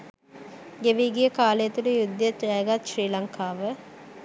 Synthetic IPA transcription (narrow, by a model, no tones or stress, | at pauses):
ɡeʋiːɡijəkaːlejət̪uɖəjud̪ːjet̪ɾɛjəɡat̪ʃriːlaŋkʰaːʋə